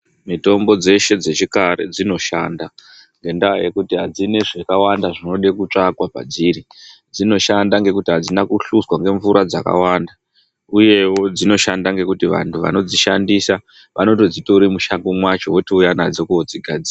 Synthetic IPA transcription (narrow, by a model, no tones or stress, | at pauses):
mito̞mbo̞d͡ze̞ʃe̞d͡ze̞t͡ʃikaɾḛd͡zino̞ʃanda | ŋɡe̞ndaa̰je̞kutiɦad͡zine̞ʐekawandaʐino̞ɗekut͡ʂakwapa̰d͡ziɾi | d͡zino̞ʃandaŋɡe̞kutiɦad͡zinakuɬuswaŋɡe̞ɱvuɾʔad͡za̰ka̰wanda | uje̞wo̞d͡zino̞ʃandaŋɡe̞kutiʋa̰ntʰuʋa̰no̞d͡ziʃandisa | ʋʔano̞to̞d͡zitoɾimuʃaŋɡomwat͡ʃo̞wotiujanad͡zokuod͡ziɡʱad͡ziːra